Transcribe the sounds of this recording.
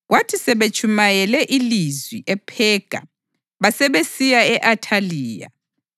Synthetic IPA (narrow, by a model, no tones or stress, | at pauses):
ɣwatʰisɛβet͡ʃʰʼumajɛlɛʔilizwiʔɛpʰɛɡ̥ʱa̰ | βasɛβesijaɛʔatʰaliːja̰